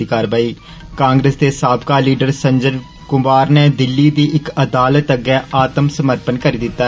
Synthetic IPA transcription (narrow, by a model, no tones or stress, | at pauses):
ikaːɾʋaːiː | kãːŋɡɾeːsd̪eːsaːbkaːliːɖəɾsəɲd͡ʒən | kʊmaːɾneːd̪ɪlːiːd̪iːʔɪkəd̪aːlət̪əɡɛːʔaːt̪əmsəməɾpənkəɾiːd̪ɪt̪ːaː